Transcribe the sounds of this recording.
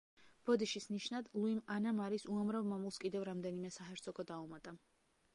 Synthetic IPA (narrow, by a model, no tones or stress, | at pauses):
b̥ɔd̪iʃisniʃnad̪lˠuimanamaɾisuamɾavmamulˠskʼid̪ɛvɾamd̪ɛnimɛsaɦɛɾt̪sʰɔɡɔd̪aumat̪ʼa